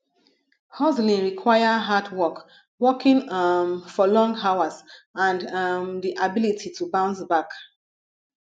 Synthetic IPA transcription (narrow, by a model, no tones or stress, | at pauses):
hɔzlĩnɹikʰwajaɦadwɔk | wɔkĩŋmfɔlɔ̃ŋɡawasãnmdiʔabilitʰitʰubãʊ̃nsbak